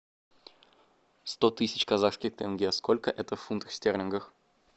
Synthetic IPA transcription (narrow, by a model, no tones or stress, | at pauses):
st̪ot̪ɨsʲɪt͡ɕkɐzaxskʲɪxt̪ɛnɡʲeskolʲkəʔɛt̪əfːunt̪əxʲsʲtʲernʲɪnɡəx